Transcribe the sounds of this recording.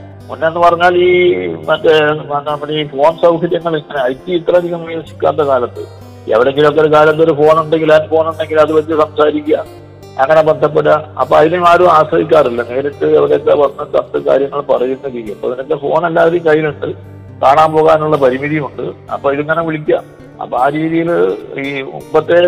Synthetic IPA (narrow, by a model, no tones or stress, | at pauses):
munːenːɨpɐrɐɲːaːliːmɐtːeɐmːɐiifo̞ːnsɐwkʰɐɾjɐŋːɐɭŋːɐneɐjt̪ːiit̪rɐd̪ʱiɣɐmʋiʋɐsi̥kʲːa̰ːt̪ːɐkaːlɐt̪ːɨ̰ | ḛʋiɽe̞ŋɡilok̬ːeɾukaːlɐt̪̬ːo̞ɾufo̞ːɳuɳɖe̞ŋɡilɐnfo̞ːnuɳɖe̞ŋɡilɐðɨʋɐtːɨsɐmsaːɾikʲːuːa | ɐŋːɐne̞bend̪ʱɐp̬ːeɽːɐɐpːoːɐðinumaːɾuaːsrɐʋikʲːaːrilːɐne̞ːɾɐʈːɨeʋiɽejt̪ːeʋɐnnɐt͡ɕːɐ̰t̪ːɨka̰ːɾjɐŋːɐɭpɐrɐjunːɐɾikːiɐpːoːɐðinok̪ːefo̞̰ːnɐlːaːðilikɐjːiluɳɖɨ | kaːɳaːmpo̞ːɣaːnuɭːɐpɐɾimiðijmuɳɖɨɐ̰pːoːiðɨɲːɐnɐʋiɭik̬ʲːam | ɐ̰pːoaːɾiːðijiliːo̰mbɐt̪ːe